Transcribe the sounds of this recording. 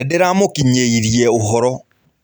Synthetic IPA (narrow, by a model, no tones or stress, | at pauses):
deɾamokiɲeiɾjɛoɦɔɾɔ